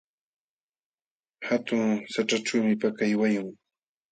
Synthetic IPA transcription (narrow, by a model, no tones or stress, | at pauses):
hat̪ʊŋsaʈ͡ʂaʈ͡ʂawmɪpakajwajʊŋ